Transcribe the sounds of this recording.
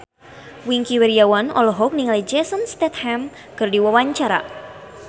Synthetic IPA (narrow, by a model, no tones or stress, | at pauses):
wiŋkiwɛɾiawanɔ̰lɔɦɔk̚niŋalid͡ʒɛsənst̪ɛt̪̚hɛm | kɨrdiwawaɲt͡ʃaɾa̰